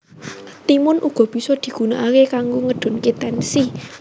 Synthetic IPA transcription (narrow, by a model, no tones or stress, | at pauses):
t̪imʊnʔuɡ̥ɔ̤b̥i̤sɔd̪̥i̤ɡ̥ṳnaʔakekaŋɡoŋəɖ̪̥ʊ̤nkit̪ɛnsi